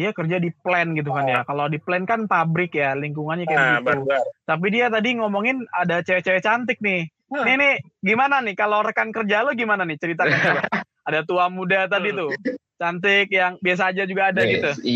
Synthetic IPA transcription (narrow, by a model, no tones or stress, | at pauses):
diakərd͡ʒadiplɛnɡit̪̬ukanjakalodiplɛnkanpabɾɪkjaliŋkuŋanɲakajabɡit̪t̪ap̬idiat̪̬adiŋɔmɔŋɪnadat͡ʃawɛt͡ʃawɛt͡ʃant̪ɪk̚nɪh | nɪhnɪh | ɡimananɪkaloɾəkankərd͡ʒaloɡimananɪt͡ʃəɾit̪aana | adat̪uamudat̪̬adit̪u | t͡ʃant̪̬ɪk̚jaŋbias̬aːd͡ʒad͡ʒuɡaːdaɡit̪u